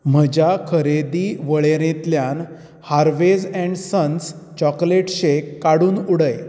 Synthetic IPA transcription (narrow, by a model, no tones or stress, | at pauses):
m̤əd͡ʑakʰəɾed̪iːʋəɭeɾẽt̪ljan | haɾʋed͡zɛ̃ɳɖsəns | t͡ɕɔkleʈɕekːaɽuːnuɽəj